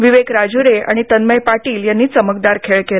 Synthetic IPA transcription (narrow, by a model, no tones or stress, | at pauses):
ʋiʋekɾad͡ʑuɾea̰ɽ̃it̪ənməjpaʈiːljanːiːt͡səmək̚d̪aɾkʰeɭkel